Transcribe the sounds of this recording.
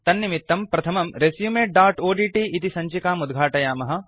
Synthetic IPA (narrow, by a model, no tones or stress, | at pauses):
t̪ɐnːimit̪ːɐmpɾɐt̪ʰɐmɐmɾesjuːmeːʈ̚ɖaːɾʈoːɖiːʈiːʔit̪isɐɲt͡ʃikaːmud̪ɡʱaːʈɐjaːmɐɦɐ̆